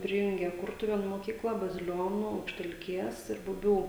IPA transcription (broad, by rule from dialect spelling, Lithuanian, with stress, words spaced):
ˈpʲrʲɪjʊŋʲɡʲeː ˈkʊrtʊʋʲeːnuː moːˈkʲiːklˠɐ bɐzʲɪˈlʲoːnuː ɐʊkʃʲtʲɛlʲˈkʲeːs ɪr bʊˈbʲuː